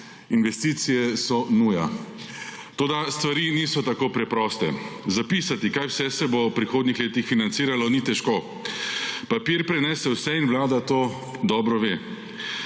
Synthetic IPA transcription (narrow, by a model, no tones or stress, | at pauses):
inʋɛst̪iːt̪sijɛsɔnuja̰ | t̪oːd̪ast̪ʋaɾiːniːsɔt̪akoːpɾɛpɾɔːst̪ɛ̰zapiːsat̪ikaːjwsɛsɛbowpɾixoːd̪nixleːt̪ixfinant̪siːɾalɔniːt̪ɛʃkoː | papiːɾpɾɛnɛːsɛwsɛinwlaːd̪at̪oː | d̪ɔːbɾɔʋeː